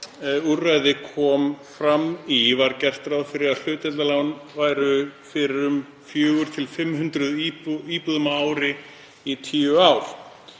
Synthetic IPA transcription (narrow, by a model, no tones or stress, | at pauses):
urajðɪkʰɔːmfɾamːivaɾcɛr̥t̪ɾaðfɪɾɪɾal̥ʏːt̪ɛt̪alaːwnvaːjɾʏfɪɾɪɾʏm | fjœːɣʏɾ̥t̪ʰɪlfɪmːɦʏnt̪ɾʏðipiːpðʏmaaːwɾɪ | it̪ʰiːʏawɾ̥